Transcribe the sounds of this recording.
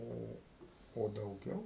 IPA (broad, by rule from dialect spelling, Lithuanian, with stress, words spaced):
ˈoː oː dɐʊˈɡʲɛʊ